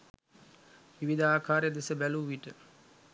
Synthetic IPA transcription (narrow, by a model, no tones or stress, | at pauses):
ʋiʋid̪aːkʰaːɾejəd̪esəbæluʋiʈə